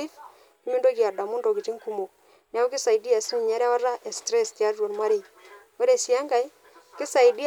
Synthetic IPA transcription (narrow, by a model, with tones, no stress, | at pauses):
i˦f | kɪ˦mi˦ndo˦ki˨a˨ɾda˨mu˦ndo˨ki˨t͡ʃi˦ŋku˨mo˨k̚ | ni˨a˦u˦kɪ˦sa˨jdi˦a˨si˦ɲi˨ɲa˦ɾa˦wa˦ɾa˦ʔɛ˨stɾɛ˦sti˨a˦ɾo˨nma˦ɾi˦˨ | we˦ɾe˨si˨a˦ŋɡa˨i˦ | kɪ˦sa˨i˨di˦